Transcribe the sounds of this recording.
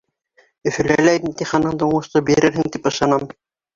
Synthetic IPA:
ɵ̆fɘ̆lælæjnit̪iχɑnɤɴd̪ɤouɴɤ̆ʃt̪ɤbiɾɘɾhɘŋt̪ipɤ̆ʃɑnɑm

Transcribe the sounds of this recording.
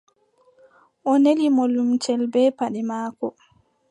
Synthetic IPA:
ʔɔnelimolumt͡ʃɛlbɛːpaɗɛmaːkɔ

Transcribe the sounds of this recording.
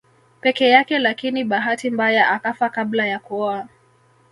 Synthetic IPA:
pɛkɛjakɛlakiniɓaɦatimbajaʔakafakablajakua

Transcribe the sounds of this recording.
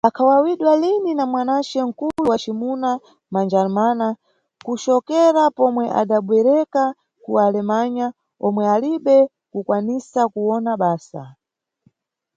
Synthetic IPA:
akʰawawiɗwalininamwanat͡ʃɛŋ̩kuluwat͡ʃimuna | mand͡ʒalmana | kut͡ʃɔkɛɾapɔmwɛʔa̰ɗaɓwɛɾɛka | kualɛmaɲa | ɔmwɛaliɓɛ | kukwanisakuwɔnaɓaːsa̰

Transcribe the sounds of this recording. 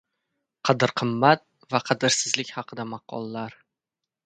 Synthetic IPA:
qʰɑd̪ɪɾqʰɨmːat̪̚ | vaqʰɑd̪ɪɾsɪzlɪkʲhɑqʰɨd̪amɑqʰɒ̰lˠːaɾ

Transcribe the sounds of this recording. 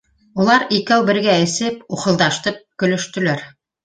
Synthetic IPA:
ulˠɑɾikæwbɘ̆ɾɡæɘ̆sɘp̚uχɤ̆lˠd̪ɑʃt̪ɤp̚kɵ̆lɵ̆ʃt̪ɵ̆læɾ

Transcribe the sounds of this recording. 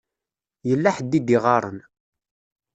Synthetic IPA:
jəlːaħəd̪ːid̪iʁɑɾˤə̰n

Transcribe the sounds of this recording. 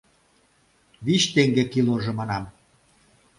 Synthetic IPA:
βit͡ɕt̪eŋɡekiloʒĕmɑnɑm

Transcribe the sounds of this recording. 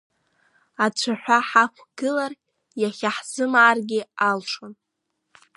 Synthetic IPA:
at͡ɕʷʰaħʷaħakʷʰɡ̥ɨlar | jaχʲaħz̥ɨmːrɡʲɪalʈ͡ʂʰon

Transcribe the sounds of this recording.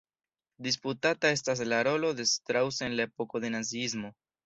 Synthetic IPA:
dis̬putatae̞s̬tas̬laɾo̞lo̞de̞stɾawsenlae̞po̞ko̞de̞naziizmo̞

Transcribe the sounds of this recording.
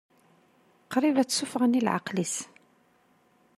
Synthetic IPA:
qɾivæt͡sːufʁənilʕɑ̰qlis

